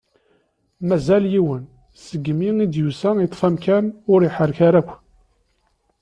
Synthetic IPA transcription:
mæzæljiwən | səɡːmiŋid̪jusæjət̪ˤːfæmkænʊɾiħəɾkaɾækʷː

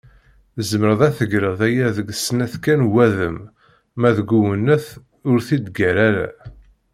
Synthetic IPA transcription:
zəməɾəðˤæθəɡɾəðˤæjæðəɡsnæθkænwæðəmː | æðəɡuwənːəθ | ʊɾθid̪ɡæɾæɾæ̰

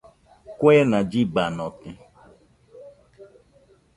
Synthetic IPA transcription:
kʷenad͡ʒibanɔtɪ

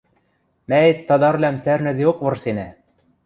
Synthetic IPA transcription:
mæet̪ːɑd̪ɑɾlʲæmt͡sæɾnɘ̆ðiok̚vɤ̆rsenæ

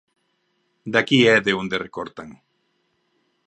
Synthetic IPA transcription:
d̪akied̪eund̪erekoɾt̪aŋ

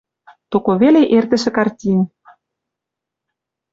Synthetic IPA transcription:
t̪okoβeleʔert̪ə̆ʃĕkɑrtʲinʲ

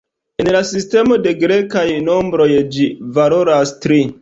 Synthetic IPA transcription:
enlasiste̞mo̞de̞ɡɾe̞kajno̞mbɾo̞jd͡ʒivalo̞ɾastɾi

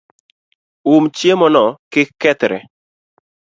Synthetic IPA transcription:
umt͡ʃjemɔnɔkɪkːɛt̪ɾɛ̰

